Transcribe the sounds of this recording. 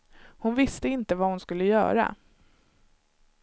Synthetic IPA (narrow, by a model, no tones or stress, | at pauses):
hʊnvɪst̪əɪnt̪əvahʊnskɵlːəjœ̰ːɾa̰